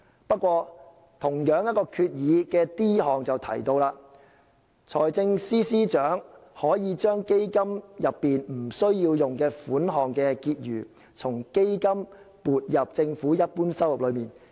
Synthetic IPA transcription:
pɐ˥t̚kʷːwɔː˧ | t̪ʰʊ˨˩ŋjœː˨˥ŋjɐ˥kɔː˧kʰyː˧t̚jiː˨˧kɛː˧t̪iː˥ɦɔː˨ŋt͡sɐ˨wt̪ʰɐ̰˨˩jt̪o˧wlaː˧ | t͡ʃʰɔː˨˩jt͡sɪ˧ŋsiː˥siː˥t͡ʃœː˨˥ŋhɔː˨˥jiː˨˧t͡ʃœː˥ŋke˥jkɐ˥mjɐ˨pːiː˨nm̩˨˩sɵ˥ɥjiː˧wjʊ˨ŋkɛː˧fuː˨˥nɦɔː˨˩ŋkɛː˧kiː˧t̚ɥyː˨˩ | t͡sʰʊ˨˩ŋke˥jkɐ˥m | puː˨t̚jɐ˨p̚t͡sɪ˧ŋfuː˨˥jɐ˥t̚puː˥nsɐ˥wjʊ˨p̚lɵ˨˧ɥmiː˨˩n

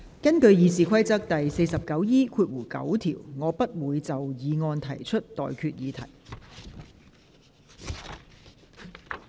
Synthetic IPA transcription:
kɐ˥nkɵ˧ɥjiː˨˧siː˨kʷʰɐ˥jt͡sɐ˥k̚t̪ɐ˨jse˧jsɐ˨p̚kɐ˨˥wjiː˥kʰuː˧t̚wuː˨˩kɐ̰˨˥wt̪ʰḭː˨˩wŋɔː˨˧pɐ˥t̚wuː˨˧jt͡sɐ˨wjiː˨˧ŋɔː˧nt̪ʰɐ˨˩jt͡ʃʰɵ˥t̚t̪ɔ̰ː˨jkʰyː˧t̚jiː˨˧t̪ʰɐ̰˨˩j

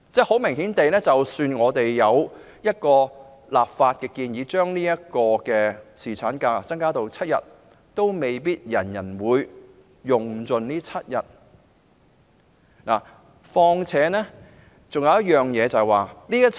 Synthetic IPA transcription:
t͡sɛː˥˩ho˨˥wmɪ˨˩ŋɦiː˨˥nt̪e˨jnɛː˥t͡sɐ˨wsyː˧nŋɔː˨˧t̪e˨jːɐ˨˧w | jɐ˥t̚kɔː˧ | laː˨p̚faː˧t̚kɛː˧kiː˧njiː˨˧t͡ʃœː˥ŋniː˥jɐ˥t̚kɔː˧kɛː˧siː˨˩t͡sʰaː˨˥nkaː˧˥˨t͡sɐ˥ŋkaː˥t̪o˨wt͡sʰɐ˥t̚jɐ̰˨˩t̚ | t̪o˥wme˨jp̬iː˥t̚jɐ˨˩njɐ˨˩nwuː˨˧jː | ʊ˨˩ŋt͡sɵ˨nniː˥t͡sʰɐ˥t̚jɐ̰˨t̚ | na̰ː˨˩ | fɔː˧ŋt͡sʰɛː˨˥nɛː˥ | t͡sŋjɐ˨˧wjɐ˥t̚jœː˨ŋjɛː˨˧t͡sɐ˨jwaː˨˩niː˥jɐ˥

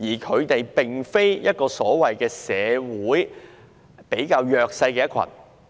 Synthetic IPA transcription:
jiː˨˩kʰɵ˨˧ɥt̪e˨jpe˨ŋfe˥jjɐ˥t̚kɔː˧sɔː˨˥wɐ˨jkɛː˧sɛː˨˧wuː˨˥j | pe˨˥jkaː˧wjœː˨˧k̚sɐ˧jkɛː˧jɐ˥t̚kʰɐ̰˨˩n

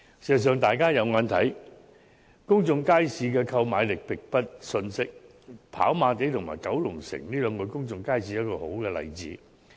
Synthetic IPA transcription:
si˨˩sɐ˨˩s̬œː˨ŋt̪aː˨˩jkaː˥jɐ˨˧wŋaː˨˧nt̪ʰɐ˨˥j | kʊ˥ŋt͡sʊ˨˧ŋkaː˥jsiː˧kɛː˧kʰɐ˧wmaː˨˧jlɪ˨k̚pɪ˨k̚pɐ˥t̚sɵ˧nsɪ˥k̚ | pʰa̰ː˨˥wmaː˨˧t̪̬e˨˥jt̪ʰʊ˨ŋmaː˨˩jkɐ˨˥wlʊ˨˩ŋsɪ̰˨˩ŋliː˥lœː˨˧ŋkɔ˨˧jkʊ˥ŋt͡sʊ˨˧ŋkaː˥jsiː˧˥jɐ˥t̚kɔː˧ho˨˥wkɛː˧lɐ̰˨˩jt͡sḭː˨˥

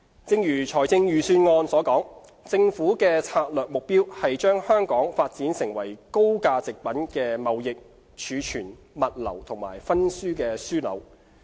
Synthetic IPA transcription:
t͡sɪ˧ŋjyː˨˩t͡ʃʰɔː˨˩jt͡sɪ˧ŋjyː˨˩syː˧nŋɔː˧nsɔː˨˥kɔː˨˥ŋ | t͡sɪ˧ŋfuː˨˥kɛː˧t͡sʰaː˧t̚lœː˨k̚mʊ˨k̚piː˥whɐ˨jt͡ʃœː˥ŋhœː˥ŋkɔː˨˥ŋfaː˧t̚t͡siː˨˥nsɪ˨˩ŋwɐ˨˩jko˥wkaː˧t͡sɪ˨k̚pɐ˨˥nkɛː˧mɐ˨wjɪ˨k̚ | t͡ʃʰyː˨˧t͡ʃʰyː˨˩n | mɐ˨t̚lɐ̰˨˩wt̪ʰʊ˨˩ŋma̰ː˨˩jfɐ˥nsyː˥kɛː˧syː˥lɐ̰˨˧w

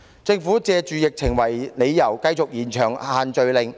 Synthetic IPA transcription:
t͡sɪ˧ŋfuː˨˥t͡sɛː˧t͡ʃyː˨˧jɪ˨k̚t͡sʰɪ˨˩ŋwɐ˨˩jne˨˧jːɐ˨˩wkɐ˧jt͡so˨k̚jiː˨˩nt͡ʃʰœː˨˩ŋhaː˨˧nt͡ʃɵ˧ɥlɪ˨˧ŋ

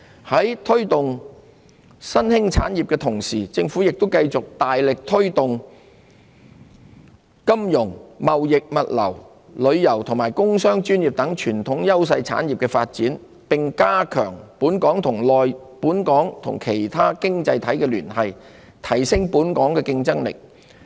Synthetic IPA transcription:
hɐ˨˥jt̪ʰɵ˥ɥt̪ʊ˨ŋ | sɐ˥nhɪ˥ŋt͡sʰa̰ː˨˥njiː˨p̚kɛː˧t̪ʰʊ˨˩ŋsiː˨˩t͡sɪ˧ŋfu˨˥jɪ˨k̚t̪ʊ˥wkɐ˧jt͡sʊ˨k̚t̪aː˨jlɪ˨k̚t̪ʰɵ˥ɥt̪ʊ˨ŋ | kɐ˥mjʊ˨˩ŋmɐ˨wjɪ˨k̚mɐ˨t̚lɐ̰˨˩w | lɵ˨˧ɥjɐ˨˩wt̪ʰʊ˨˩ŋmaː˨˩jkʊ˥ŋsœː˥ŋt͡ʃyː˥njiː˨˩p̚t̪ɐ˨˥ŋt͡ʃʰyː˨˩nt̪ʰʊ˨˥ŋjɐ˥ws̬ɐ˧jt͡sʰa̰ː˨˥nji˨p̚kɛ˧fa̰ː˧t̚t͡siː˨˥n | pɪ˨ŋkaː˥kʰœ̰ː˨˩ŋpuː˨˥nkɔː˨˥ŋt̪ʰʊ˨˩ŋlɔː˨j | puː˨˥nkɔː˨˥ŋt̪ʰʊ̰˨˩ŋkʰe˨˩jt̪ʰaː˥kɪ˥ŋt͡sɐ˧jt̪ʰɐ˨˥jkɛː˧lyː˨˩nhɐ˨j | t̪ʰɐ˨˩jsɪ˥ŋpuː˨˥nkɔː˨˥ŋkɛː˧kɪ˧ŋt͡sɐ˥ŋlɪ̰˨˩k̚

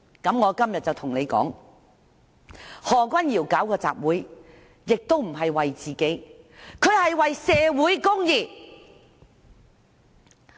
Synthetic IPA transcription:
kɐ˨˥mŋɔː˨˧kɐ˥mjɐ˨t̚t͡sɐ˨wt̪ʰʊ˨˩ŋne˨˧jkɔ̰ː˨˥ŋ | hɔː˨˩kʷɐ˥njiː˨˩wkaː˨˥wkɔː˧t͡sa̰ː˨p̚wuː˨˥j | jɪ˨k̚t̪o˥wm̩˨˩ɦɐ˨jwɐ˨jt͡siː˨ke˨˥jkʰɵ˨˧ɥhɐ˨jwɐ˨jsɛː˧wuː˨˥jkʊ˥ŋjiː˨˩

